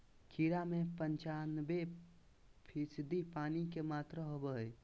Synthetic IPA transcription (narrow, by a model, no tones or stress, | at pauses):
kʰiɾamẽpəɲt͡ʃaːnbe | pʰisd̪ipaːnikemaːt̪ɾəɦobəe